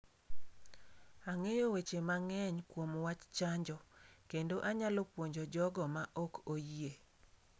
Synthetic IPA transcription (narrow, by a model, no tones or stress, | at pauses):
aŋejowet͡ʃemaŋɛɲkwomwat͡ʃt͡ʃaɲd͡ʒɔkendoʔaɲalɔpwoɲd͡ʒod͡ʒɔɡɔmaʔɔkoje